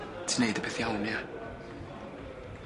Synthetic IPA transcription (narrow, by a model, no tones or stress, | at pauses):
tʰənejdəbɪθjawmja